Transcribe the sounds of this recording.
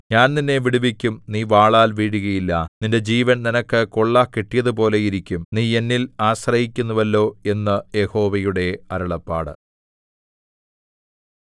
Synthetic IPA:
ɲaːnninːe̞ʋiɽuʋikʲːumniːʋaːɭaːlʋiːɽuɣɐjilːɐninde̞d͡ʑiːʋɐnninɐkːɨkoɭːakiʈːijɐðɨp̬o̞ːle̞jiɾikʲːumniːe̞nːilaːɕrɐhikʲːunːuʋɐlːo̞ːe̞nːɨje̞ho̞ːʋɐjuɽe̞ɐɾɐɭɐpːa̰ːɽɨ̰

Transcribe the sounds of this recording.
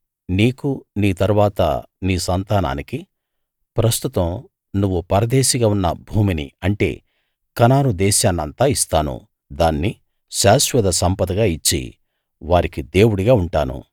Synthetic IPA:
niːkuniːt̪ɐɾuʋaːt̪ɐ̰ | niːsɐnt̪aːna̰ːniki | pɾɐst̪ut̪ɐm | nuʋːupɐɾɐd̪eːʃiɡaːunːɐ̰bʱuːminḭɐɳʈe̞̰ː | kɐnaːɾud̪ɛːʃaːnːɐnt̪aːist̪aːnṵ | d̪aːnːi | ʃaːʃʋɐd̪ɐsɐmpɐd̪ɐɡaːit͡ʃːḭ | ʋaːɾikid̪e̞ːwuɽiɡaːuɳʈaːnṵ

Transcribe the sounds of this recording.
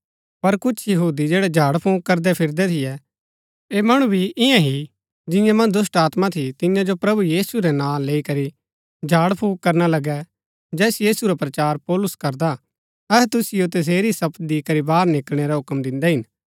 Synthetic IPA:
pɐɾkʊt͡ʃʰjɐɦuːd̪id͡ʒeːɽɛd͡ʒʱaːɽpʰõːk̚kːɐɾd̪ɛpʰɪɾd̪ɛt̪ʰɪjɛ | eːmɐɽ̃ũbʱiʔɪjãɦi | d͡ʒɪ̃jãmɐ̃nd̪ʊs̬ʈaːt̪mãt̪ʰit̪ɪ̃jãd͡ʒopɾɐbujiːsuɾɛnãːleːikɐɾi | d͡ʒʱaːɽpʰõːkkɐɾnalɐɡɛ | d͡ʒɛːsjiːsuɾapɾɐt͡ʃaːɾpɔːlʊskɐɾd̪a | ɛɦɛt̪ʊsɪjot̪ɐs̬eːɾisɐb̪d̪ikɐɾibaːɾnɪklɽ̃eɾɛɦʊkmd̪ɪ̃nd̪ɛɦɪn

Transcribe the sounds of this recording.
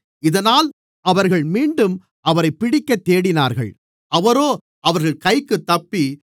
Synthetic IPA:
ɪðɐnaːl | ɐʋɐɾɣɐɭmiːɳɖɯm | ɐʋɐɾɐɪpːɪɽɪkːɐt̪ːeːɽɪnaːɾɣɐ̰ɭ | ɐʋɐɾoː | ɐʋɐɾɣɐɭkɐɪkːɯt̪ːɐpːi

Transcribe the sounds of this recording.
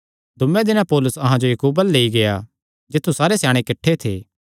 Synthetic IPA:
d̪ʊmːẽd̪ɪnãpɔːlʊsɐɦãd͡ʒojɐkuːbəlːeːiɡeja̰ | d͡ʒɪt̪ʰːusaːɾesjaːɽ̃ekɪʈʰːet̪ʰḛː

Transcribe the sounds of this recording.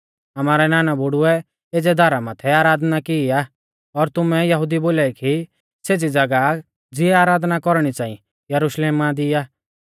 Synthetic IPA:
ɐmaːɾɛnaːnabʱʊɽʊɛ | ed͡zɛd̪ʱaɾamaːt̪ʰɛaːɾaːd̪nakiiaː | ɔɾt̪ʊmɛjɐɦʊd̪iboːlaiki | seːd͡zid͡zɐɡa | d͡zɪɛaːɾaːd̪nakɔɾɽ̃it͡sãːḭ̃ | jɐɾuʃleːmad̪iːaː

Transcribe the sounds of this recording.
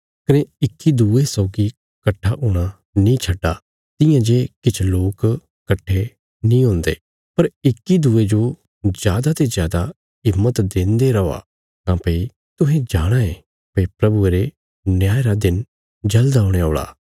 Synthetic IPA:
kɐneɪkːid̪uːesɔːʊɡi | kɐʈʰːaʔʊɽ̃a | nĩt͡ʃʰɐɖːa | t̪ɪ̃jãd͡ʒeːkɪt͡ʃʰloːk | kɐʈʰːe | nĩɦõːnd̪ḛː | pɐɾɪkːid̪uːed͡ʒo | zjaːd̪at̪ezjaːd̪a | ɪmːət̪d̪ẽːnd̪eɾɐoa̰ | kãːpɐi | t̪ʊɦɛ̃d͡ʒaːɽ̃aeː | pɐipɾɐbueɾe | njaːeɾad̪ɪn | d͡ʒɐld̪aɦʊɽ̃eoːɭa̰ː

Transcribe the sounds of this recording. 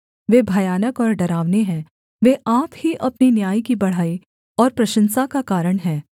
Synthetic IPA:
ʋeːbʱɐjaːnəkɔːɾɖɐɾaːʋneɦɛ̃ː | ʋeːʔaːphiʔɐpninjaːikibɐɽ̤aːi | ɔːɾpɾɐʃə̃nsakakaːɾəɽ̃ɦɛ̃ː

